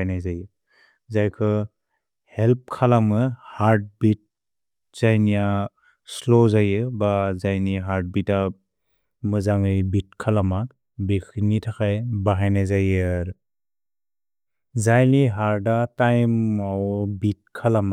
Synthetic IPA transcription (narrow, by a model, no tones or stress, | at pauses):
jnajzajɯ | zajkʰɯ | help̚kʰalamɯhaɾd̚bit̚ | z̥ajnija | slozajɯbazajniɦaɾd̚bita | mɯzaŋɯjbit̚kʰalama | bekʰnitʰakʰajbaɦajnajzajɯɾ | zajniɦaɾdatajmawbit̚kʰalama